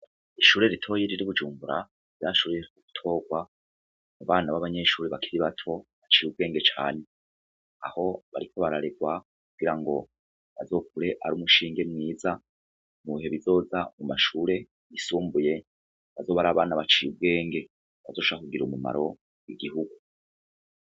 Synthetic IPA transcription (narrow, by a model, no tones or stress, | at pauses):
iʃuːɾe̞ɾitʰo̞ːjeɾiɾiβud͡ʒuːmbuɾa | ɾaʃuːɾijeɾkuɡu̥tʰo̞ːɡwa | muβaːnaβaβaɲe̞ʃuːɾiβakʰiɾiβatʰo̞βat͡ʃijub̚ɡe̞ːŋɡet͡ʃa̰ːne̞ | a̰ho̞βaɾikʰo̞βaɾaɾeɡwa | k̚uɡiɾaŋɡo̞ | βazo̞ːkuɾe̞ʔaɾuːmuʃiːŋɡe̞mŋiːza | muβiɦe̞βizo̞ːzamumaʃuːɾe̞ | isuːmbuje̞ | βazo̞ːβaɾaːβaːnaβat͡ʃijub̚ɡe̞ːŋɡe̞ | βazo̞ːʃakuɡiɾumuma̰ɾo̞ | jiɡiɦuɡu